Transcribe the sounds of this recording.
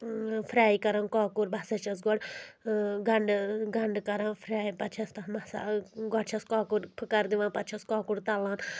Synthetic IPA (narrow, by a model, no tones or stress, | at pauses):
fʰɾaːikɐɾankaːkuɾbʱɐsɐt͡ʃɐs̬ɡɔɽ | ɡɐɳɖɡɐɳɖkɐɾãnfʰɾaːipɐt͡ʃʰɐst̪ɐbɐsa̰ɡɔɽt͡ʃʰɐskaːkuɾpʰɨkɐɾd̪iʋãːnpɐt̪t͡ʃʰɐskaːkuɽt̪ɐlaːn